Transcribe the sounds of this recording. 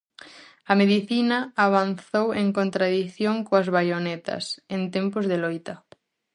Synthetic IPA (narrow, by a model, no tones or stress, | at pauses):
ɐmeðiθinɐaβ̞anθoweŋkont̪ɾaðiθjoŋkoɐzβajonɛt̪ɐ̰sent̪empʊzðelojt̪ɐ